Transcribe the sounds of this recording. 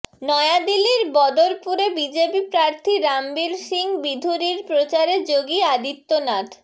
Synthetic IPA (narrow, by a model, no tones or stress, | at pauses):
nɔead̪iliɾbɔd̪oɾpuɾebid͡ʑepipɾaɾt̪ʰiɾambilʃiŋbid̪ʱuɾiɾpɾot͡ɕaɾed͡ʑoɡiad̪it̪ːonaʈʰ